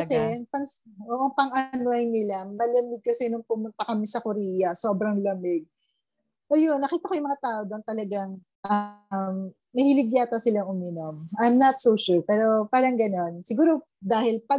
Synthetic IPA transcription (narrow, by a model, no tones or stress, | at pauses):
kɐsɛɐŋpɐŋsʔoːʔɐŋpɐŋʔɐnoɐjnɪlamɐlɐmɪɡ̚kɐsɛnoŋpʊmʊnt̪ɐkɐmɛsɐkʊɾiːjɐso̞ːbɾɐŋlɐmɪɡ̚ | ʔɐjonːɐkiːt̪ɐko̞jʊŋmɐŋat̪aːʔod̪ont̪ɐlɐɡaŋ | ʔɐmː | ɐhilɪɡjaːt̪ɐsɪlaŋʔʊmiːnomʔajmnɐt̪soʃuɹpɛːɾo̞paːɾɐŋɡɐno̞nsɪɡuːɾo̞ | d̪aːhɪlpɐ